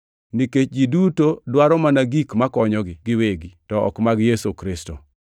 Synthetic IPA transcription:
niket͡ʃɡidutodwaɾɔmanaɡikmakɔɲɔɡɪɡɪweɡitɔɔ̰kmaɡjesukɾɪsto̰

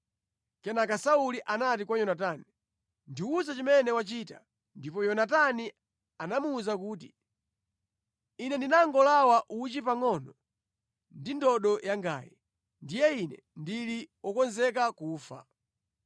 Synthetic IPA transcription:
kɛnakasauliʔanatikwajɔnatani | ndiuzat͡ʃimɛnɛwat͡ʃiːta̰ | ndipɔjɔnatani | anamuːzak̬uːt̬i | inɛndinaŋɡɔlawaʔut͡ʃipaŋɔnɔ | ndindɔɗɔjaŋɡa̰ːji | ndijɛinɛ̰ | ndiliɔkɔnzɛk̬akuːfa̰

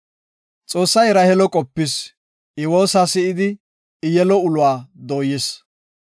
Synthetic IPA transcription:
t͡sʼo̞ːsːɐjɾɐhɛlɔkʼɔpːɪs | ʔɪwo̞ːsaːsɪɪd̪ɪ | ɪjɛlɔʊlʊwaːd̪oːjɛs

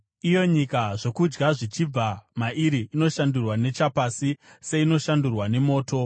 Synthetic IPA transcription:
ijo̞ɲikaʐo̞kud͡ʒɡaʐit͡ʃib͡vamaʔiɾiʔino̞ʃandurwane̞t͡ʃapasise̞ino̞ʃandurwane̞mo̞ːto̞

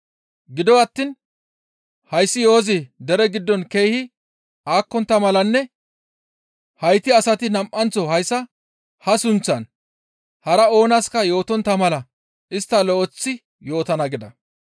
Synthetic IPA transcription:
ɡɪd̪ɔwɐt̪ːin | hɐjsːɪjo̞ːzɪd̪ɛɾɛɡɪd̪ːɔnke̞jhɪ | ʔaːkːɔnt̪ːɐmɐlɐnːɛ | hɐjt̪ɪɐsɐt̪ɪnɐmʔɐnt͡sɔhɐjsːɐ | hɐsʊnt͡sːɐn | hɐɾɐo̞ːnɐskɐjo̞ːt̪ɔnt̪ːɐmɐlɐ | ʔɪst̪ːɐlɔʔɔt͡sːɪ | jo̞ːt̪ɐnɐɡɪd̪ɐ

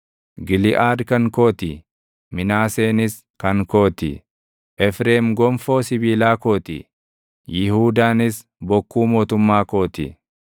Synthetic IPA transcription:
ɡɪlɪʔaːd̪kɐŋkoːt̪ɪ | mɪnaːse̞ːnɪs | kɐŋko̞ːt̪ɪ̰ | ʔɛfɾeːmɡɔmfo̞ːsɪbiːlaːko̞ːt̪ɪ̰ | jɪhuːd̪aːnɪs | bɔkːuːmo̞ːt̪ʊmːaːko̞ːt̪ɪ̰

